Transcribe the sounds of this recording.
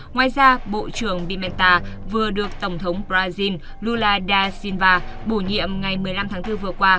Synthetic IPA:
ŋwaː˨˩jzaː˧ɓo̰˧˨t͡ɕɨ˧˩əŋɓi˧mɛ˧nt̪aː˧ | vɨ˨˩əɗɨ˨˩ək̚t̪ə˧˩wŋ͡mt̪ʰə˨˦wŋ͡mbzaː˧zi˧n | lu˧laː˧ɗaː˧si˧nvaː˧ɓu˧˩ɲḭ˧˨əmŋa˨˩jmɨ˨˩əjla˧mt̪ʰaː˨˦ŋt̪ɨ˧vɨ˨˩əkwaː˧

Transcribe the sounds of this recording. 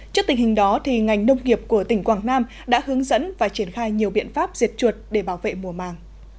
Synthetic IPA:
t͡ɕi˦˥k̚t̪ï˨˩ŋhï˨˩ŋ̟ɗɔ˨˦t̪ʰi˨˩ŋa˨˩jŋ̟nə˧wŋ͡mŋi˨˩əp̚ku˧˩ət̪ï˧˩ŋ̟kwaː˧˩ŋnaː˧m | ɗa̰ː˧˥hɨ˨˦əŋzə̰˧˥nvaː˨˩t͡ɕi˧˩ənxaː˧jɲi˨˩əwɓḭ˧˨ənfaː˦˥p̚z̥i˨˩ət̚t͡ɕwu˨˩t̚ɗe˧˩ɓaː˧˩wvḛ˧˨mu˨˧˩əmaː˨˩ŋ

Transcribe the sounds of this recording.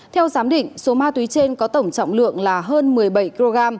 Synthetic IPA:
t̪ʰɛ˧wzaː˨˦mɗḭ̈˧˨ŋ̟so˨˦maː˧t̪wi˨˦t͡ɕe˧nkɔ˨˦t̪ə˧˩wŋ͡mt͡ɕɔ̰˧˨wŋ͡mlɨ̰˧˨əŋlaː˨˩ɦəː˧nmɨ˨˩əjɓə˧˩jki˧lo˧ɣaː˧m

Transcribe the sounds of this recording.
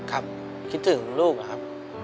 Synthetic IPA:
kʰa˦˥p̚ | kʰi˦˥t̪̚t̪ʰːɯ˩˦ŋ˦luː˥˩k̚a˧˩kʰa˦˥p̚

